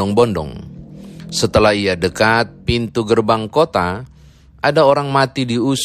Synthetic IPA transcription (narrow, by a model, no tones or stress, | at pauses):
ɔŋbɔndɔ̰ŋ | sət̪əlahiadəkat̪̚pint̪uɡərbaŋkot̪a | ʔadaoɾaŋmat̪idius